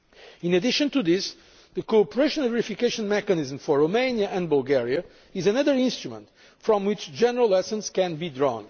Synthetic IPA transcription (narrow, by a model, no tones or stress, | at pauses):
ĩnɨd̪ɪʃə̃nt̪uðɪs | ðəkopəɹeʃə̃n̩ˠvɛɹifikeʃə̃nmɛkɨniz̃mfɔɹɹomẽnjəʔɨ̃nbəlˠɡɛɹiɨ | ɪzɨnʌðə˞ɪ̃nst̪ɹumə̰̃nt | fɹɔ̃mwɪt͡ʃd͡ʒɛnəɹəlˠɛsə̃nskɛ̃nbidɹɔ̰̃n